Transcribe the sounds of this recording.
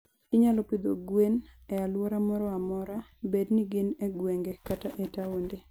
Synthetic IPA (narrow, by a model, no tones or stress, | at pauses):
ɪɲalɔpid̪oɡwenɛalwɔɾamɔɾɔamɔɾabedniɡɪneɡweŋɡekataʔɛtawonde